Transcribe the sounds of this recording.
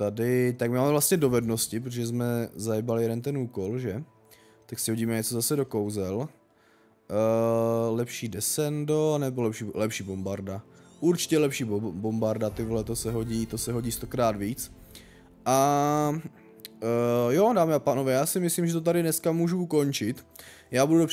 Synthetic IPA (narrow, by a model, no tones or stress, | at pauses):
t̪adɪt̪akmɪmaːmɛvlast̪ɲɛdo̞vɛdno̞scɪp̬ɾot̪̬oʒɛzmɛzajɛbalɪjɛdɛnt̪ɛnuːko̞lʒɛ | t̪aksɪɦoɟiːmɛɲɛt͡sozasɛdo̞kowzɛl | lɛpʃiːdɛsɛndonɛbolɛpʃiːlɛpʃiːbo̞mbaɾdaʔuɾt͡ʃɪ̥cɛlɛpʃiːbo̞mbaɾdat̪ɪvlɛt̪osɛɦo̞ɟiːt̪o̞sɛɦo̞ɟiːst̪o̞kɾaːd̪viːt͡s | ʔa | jodaːmɪapaːnovɛːjaːsɪmɪslimʒɛt̪̬ot̪̬adɾɪnɛskamuːʒuko̞nt͡ʃɪt̪ | jaːbududo